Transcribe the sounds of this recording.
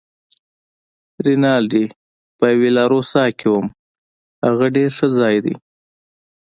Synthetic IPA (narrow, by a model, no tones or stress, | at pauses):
ɾinɑːld̪i | pəjwelɑɾosɑkʰewəm | haɣaɖeɾʂəzɑjd̪ḭ